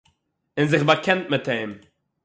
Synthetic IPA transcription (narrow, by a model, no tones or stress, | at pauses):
ɪnzɪχbakʰɛnt̚mɪteːm